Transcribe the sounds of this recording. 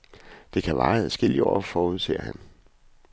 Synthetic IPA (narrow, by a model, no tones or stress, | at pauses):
d̥e̝kʰæʋɑ̈ːsɡ̥el̰iɒ̰ːfɒːuð̞̰ˠse̝̰ːɐhæn